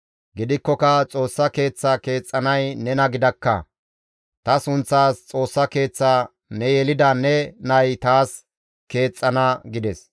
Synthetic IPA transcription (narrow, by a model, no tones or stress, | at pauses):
ɡɪd̪ɪkːɔkɐt͡sʼo̞ːsːɐke̞ːt͡sːɐke̞ːt͡sʼːɐnɐjnɛnɐɡɪd̪ɐkːɐ̰ | t̪ɐsʊnt͡sːaːst͡sʼo̞ːsːɐke̞ːt͡sːaː | nɛjɛlɪd̪ɐnɛnɐjt̪aːs | ke̞ːt͡sʼːɐnɐɡɪd̪ɛs